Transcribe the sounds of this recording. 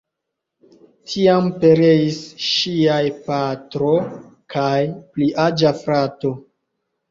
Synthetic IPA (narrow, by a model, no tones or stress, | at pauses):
tʰiampe̞ɾe̞isʃiajpatɾo̞ | kʰajpliʔad͡ʒafɾato̞